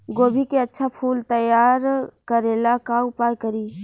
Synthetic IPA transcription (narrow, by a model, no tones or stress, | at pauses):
ɡoːbʱikeətːʃʰapʰuːlt̪əjaːɾkəɾelakaʊpaːjkəɾiː